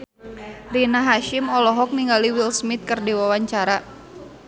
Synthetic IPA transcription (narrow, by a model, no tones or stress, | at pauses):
rinaɦaʃɪmɔlɔɦɔk̚niŋɡaliwilsmɪt̪̚kərdiwawaɲt͡ʃaɾa